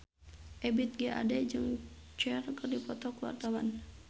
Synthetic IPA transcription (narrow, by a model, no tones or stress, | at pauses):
ʔɛbit̪̚ɡɛʔa̰dɛd͡ʒɨŋ | t͡ʃɛrkərdipɔt̪ɔkuwa̰rt̪awan